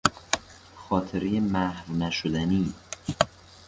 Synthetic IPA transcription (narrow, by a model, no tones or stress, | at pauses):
xɒːt̪ʰeɾejemæhɾnæʃod̪æniː